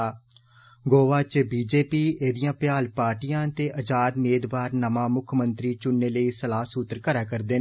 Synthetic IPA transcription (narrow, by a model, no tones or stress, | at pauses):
ɡoːʋaːt͡ʃbiːd͡ʒeːpiːeːd̪ijãːpjaːlpaːɾʈijãːt̪eːʔəd͡ʒaːd̪meːd̪baːɾnəmãːmʊkʰmənt̪ɾiːt͡ʃʊnːeːləiːsəlaːsuːt̪əɾkəɾaːkəɾd̪eːn